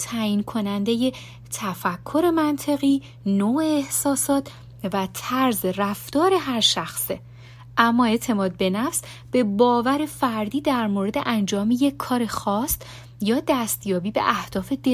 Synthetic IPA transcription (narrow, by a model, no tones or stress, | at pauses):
t̪ʰæjiːnkʰo̞nænd̪e̞je̞ | t̪ʰæfækʰːo̞ɾe̞mænt̪ʰe̞ɣiː | noːeːhsɒːsɒːt̪ʰ | væt̪ʰæɾzeræft̪ɒːɾe̞ɦæɾʃæxse | ʔæmːɒːe̞ʔt̪ʰe̞mɒːd̪̚be̞næfs | b̥e̞bɒːvæɾe̞fæɾd̪iːd̪æɾmoɾe̞d̪eʔænd͡ʒɒːmeje̞cʰːɒːɾe̞xɒːst̪ | jɒːd̪æst̪jɒːbiːbḛʔæhd̪̥ɒːfe̞d̪e